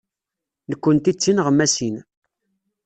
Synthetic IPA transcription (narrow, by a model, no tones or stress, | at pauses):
nəkʷːənt̪it͡sːinʁəmːæsin